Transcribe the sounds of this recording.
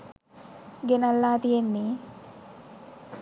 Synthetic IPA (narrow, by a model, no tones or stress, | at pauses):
ɡenalːaːt̪ijenːiː